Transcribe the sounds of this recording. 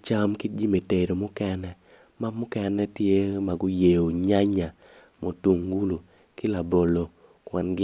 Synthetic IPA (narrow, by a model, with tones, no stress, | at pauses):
t͡ʃa˦mki˦d͡ʒi˦me˨te˨ɾo˨mʊ˦kɛ˦nɛ˦ | ma˦mʊ˦kɛ˦nɛ˦tje˦ma˨ɡʊ˦je˨o˨ɲa˦ɲa˨ | mo˨tu˨ŋɡu˦lu˨ | kɪ˦la˨bo˨lo˨ | kwa˨nɡɪ˦